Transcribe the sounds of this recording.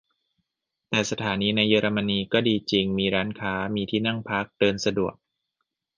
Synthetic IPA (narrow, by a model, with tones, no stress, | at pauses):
t̪ɛː˨˩sa˧t̪ʰaː˩˦niː˧na˧jːɤː˧ɾa˧ma˧niː˧kɔː˥˩diː˧t͡ɕi˧ŋmiː˧ɾaː˦˥nkʰaː˦˥miː˧t̪ʰiː˥˩na˥˩ŋpʰa˦˥k̚dɤː˧nsa˧du˨˩ək̚